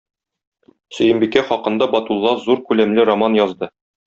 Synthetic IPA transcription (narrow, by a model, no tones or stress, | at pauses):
sɵ̆jɘ̆mbikæχɒqɤ̆nd̪ɑbɒt̪ulˠːɑzuɾkʉlæmlɘɾomɑnjɒzd̪ɤ